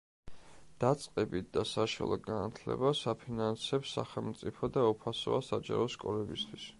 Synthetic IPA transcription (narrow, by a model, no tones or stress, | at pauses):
d̪̥at̪sʼqʼɛbit̪̚ʰd̪asaʃɔ̰lˠɔɡanat̪ʰlɛ̰basapʰinansɛpsa̰χɛlˠmt̪sʼipʰɔd̪aupʰasɔasad͡ʒa̰ɾɔskʼɔlɛbist̪ʰwis